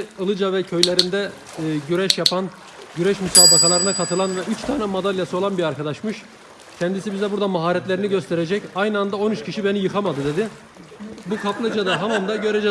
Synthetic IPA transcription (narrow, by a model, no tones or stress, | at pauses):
ɯlˠɯd͡ʒavɛcʰø̞jlʲeɾind̪ɛ | ɟyɾɛʃjapʰan | ɟyɾɛʃmysaːbakalˠaɾɯnakʰat̪ʰɯlˠanvɛyt͡ʃt̪ʰaːnɛmad̪alʲjasɯo̞lˠanbiɾaɾkʰad̪aʃmɯʃ | cʰɛnd̪isibizd̪ɛbuɾd̪amaɦaːɾɛt̪lʲeɾiniɟø̞st̪ʰeɾed͡ʒɛcajnɯand̪ao̞nyt͡ʃcʰiʃibenijɯkʰamad̪ɯd̪e̞d̪ɪ | bukʰaplˠɯd͡ʒad̪aɦamamd̪aɟø̞ɾɛd͡ʒɛ